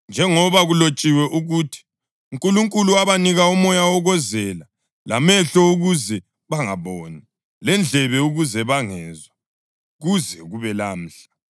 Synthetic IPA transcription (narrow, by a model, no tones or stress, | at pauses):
nd͡ʒʱɛŋɔβaɣulot͡ʃʼiwɛʔuɣutʰi̥ | uŋkʼuluŋkʼuluaβaniɣaumɔjawɔɣɔzɛla | lamɛɬɔuɣuzɛ | βaŋaβɔːni | lɛnd͡ɮʱɛβɛuɣuzɛβaŋɛːzwa | ɣuzɛɣuβɛlam̩ːɬḁ